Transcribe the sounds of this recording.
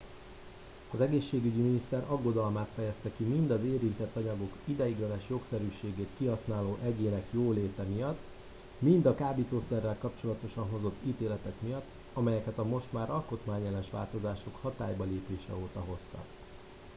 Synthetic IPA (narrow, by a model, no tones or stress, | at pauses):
ɒzɛɡeːʃːeːɡyɟiminist̪ɛɾɒɡːo̞d̪ɒlmaːt̪fɛjɛst̪ɛkimind̪ɒzeːɾint̪ɛt̪ːɒɲɒɡo̞kid̪ɛjiɡlɛnɛʃjo̞ksɛɾyːʃeːɡeːt̪kiɦɒsnaːloːʔɛɟeːnɛkjoːleːt̪ɛmijɒt̪ː | mind̪ɒkaːbiːt̪oːsɛrːɛlkɒpt͡ʃo̞lɒt̪o̞ʃɒnɦo̞zo̞t̪ːiːt̪eːlɛt̪ɛkmijɒt̪ː | ɒmɛjɛkɛt̪ɒmo̞ʃt̪maːɾɒlko̞t̪maːɲjɛlɛnʃʋa̰ːlt̪o̞zaːʃo̞khɒt̪aːjbɒleːpeːʃɛ̰oːt̪ɒɦo̞st̪ɒ̰k